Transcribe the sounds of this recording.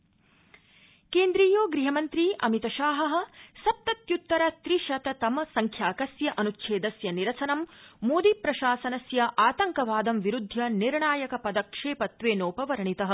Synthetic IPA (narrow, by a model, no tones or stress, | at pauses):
keːnd̪ɾiːjoːɡɾiɦɐmɐnt̪ɾiʔɐ̰mit̪ɐʃaːɦɐɦɐ̆sɐp̚t̪ɐt̪jut̪ːɐɾɐt̪ɾiʃɐt̪ɐt̪ɐmɐsɐŋkʰjaːkɐsjɐʔɐnutːʃʰeːd̪ɐsjɐniɾɐsɐnɐmːoːd̪ipɾɐʃaːsɐnɐsjɐʔaːt̪ɐŋkɐʋaːd̪ɐmʋiɾud̪ʱːjɐniɾɳaːjɐkɐpɐd̪ɐkʂeːpɐt̪ʋeːnoːpɐʋɐɾɐɳit̪ɐɦɐ̆